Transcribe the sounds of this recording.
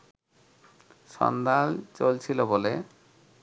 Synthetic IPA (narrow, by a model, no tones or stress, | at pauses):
ʃɔ̰nd̪alt͡ɕolt͡ɕʰilobole